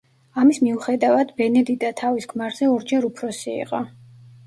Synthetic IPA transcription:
amismiuχɛd̪avad̪bɛnɛd̪id̪at̪ʰavisɡmaɾz̥ɛɔɾd͡ʒɛɾupʰɾɔsiḭqʼɔ

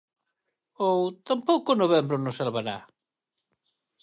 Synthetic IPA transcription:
owt̪ampowkonoβembɾonosalβaɾa̰

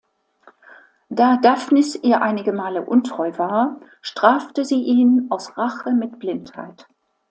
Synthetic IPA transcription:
d̥aːdafnɪsʔiːɐʔaɪnɪɡəmaːləʔʊntʁ̥ɔʏvaːɐ | ʃtʁ̥aːftəziːʔiːnaʊsʁaχəmɪt̚b̥lɪntha̰ɪt

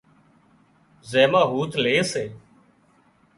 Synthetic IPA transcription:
zeːmaːɦuːt̪ʰleːseː

